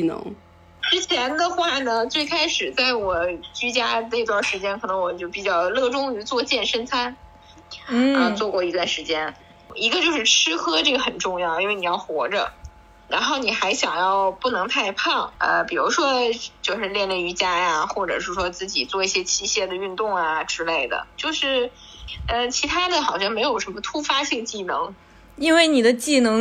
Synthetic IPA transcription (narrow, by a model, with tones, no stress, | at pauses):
n̰˧˥ŋ | ʈ͡ʂɻ̩˥t͡ɕʰjɛ˧˥nd̪ə˧xwa˥˩nə˩t͡swe˥˩ɪkʰa˥ɪʂɻ̩˨˩t͡sa˥˩ɪwɔ˨˩t͡ɕy˥t͡ɕja˥d̪i˧t̪wa˥˩ʂɻ̩˧˥t͡ɕjɛ˥nkʰɤ˨˩nɤ˧˥ŋwɔ˨˩t͡ɕjo˥˩ʊpi˨˩t͡ɕjɑ˥˧ʊlɤ˥˩ʈ͡ʂʊ˥ŋy˧˥t͡swɔ˥˧t͡ɕjɛ˥˩nʂə˥nt͡sʰa˥n | ə˧t͡swɔ˥˧kwɔ˥˩i˧˥t̪wa˥˩nʂɻ̩˧˥t͡ɕjɛ˥n | i˧˥ɡə˧t͡ɕjo˥˧ʊʂɻ̩˥˩ʈ͡ʂʰɻ̩˥kʰɤ˥ʈ͡ʂɤ˥˩ɡə˩xə˨˩nʈ͡ʂʊ˥˧ŋjɑ˥˩ʊji˥nwe˥˩ɪni˨jɑ˥˩ʊxwɔ̰˧˥ʈ͡ʂə̰˧ | ɻa˧˥nxo˥˩ʊni˨˩xa˧˥ɪɕjɑ˨˩ŋjɑ˥˧ʊpu˥˩nɤ˧˥ŋt̪ʰa˥˧ɪpʰɑ˥˩ŋə̰˧pi˨˩ɻu˧˥ʂwɔ˥t͡ɕjo˥˧ʊʂɻ̩˥˧ljɛ˥˧nle˥˩y˧˥t͡ɕja˥ja˧xwɔ˥˩ʈ͡ʂɤ̰˨˩ʂɻ̩˥˩ʂwɔ˥t͡sɹ̩˥˩t͡ɕḭ˨˩t͡swɔ˥˧i˥˩ɕjɛ˥t͡ɕʰi˥˧ɕjɛ˥˩d̪ə˩y˥˧nt̪ʊ˥˩ŋa˩ʈ͡ʂɻ̩˥le˥˩ɪd̪ə̰˩t͡ɕjo˥˧ʊʂɻ̩˥˩ | ə˥˧t͡ɕʰi˧˥t̪ʰa˥d̪ə˨xɑ˨˩ʊɕjɑ˥˩ŋme˧˥ɪjo˨˩ʊʂə˧˥nmə˧t̪ʰu˥fa˥t͡ɕi˥˧ŋə˩t͡ɕi˥˩nɤ˧˥ŋ | i˥nwe˥˩ɪni˨˩d̪ə˦t͡ɕi˥˩nɤ˧˥ŋ